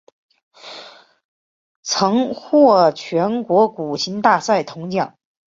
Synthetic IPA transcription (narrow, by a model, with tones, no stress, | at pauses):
t͡sʰɤ˧˥ŋxwɔ˥˩t͡ɕʰɥɛ˧˥nkwɔ˧˥ku˨˩ɕʰi˧˥nt̪a˥˧sa˥˩ɪt̪ʰʊ˧˥ŋt͡ɕjɑ˥˩˦ŋ